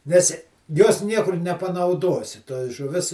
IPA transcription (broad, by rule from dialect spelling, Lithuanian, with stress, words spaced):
nʲɛs joːs ˈnʲiɛkʊr nʲɛpɐnɐʊˈduɔsʲɪ toːj ʒʊˈʋʲɪs